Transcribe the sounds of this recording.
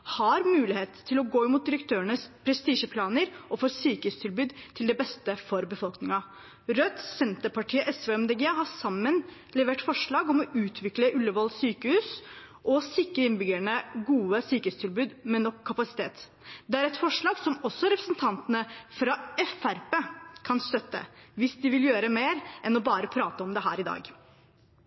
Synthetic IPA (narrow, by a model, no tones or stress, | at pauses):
hɑɾmʉːlɪheːt̪ʰːɪlɔɡoːɪmʊt̪̚d̪ɪɾəkt̪ʰøːəɳəspʰɾɛst̪iːʂəpʰlɑːnəɾɔfoːɾsyːkəʉːst̪ʰɪlbʉːd̪t̪ʰɪld̪ɛbɛst̪əfɔɾbəfɔlknɪŋɑ | ɾœt̪sɛnt̪əɾpɑʈʰiːəʔɛsʋeːɛmd̪ɛɡeːɦɑsɑmːən | lɛʋeːʈfɔʂɭɑːɡɔmɔʉːt̪ʰʋɪkləʔʉlːəʋɔlsyːkəhʉːs | ʔɔsɪkːəɾɪnbʏɡæɳəɡuːəsyːkəhʉːst̪ʰɪlbʉːd̪mɛnːɔkʰːɑpɑsɪ̥t̪ʰeːt̪ | d̪ɛæɾɛt̪fɔʂɭɑːɡsɔmɔsːɔɾɛpɾəsnt̪ʰɑnt̪ənəfɾɑɛfæɾpeːkʰɑnst̪œt̪ːə̰ʋɪsd̪ɪʋɪljøːɾəmeːɾʔɛnɔbɑːɾəpʰɾɑːt̪əɔmd̪ɛɦæ̰ːɾɪd̪ɑ̰ːɡ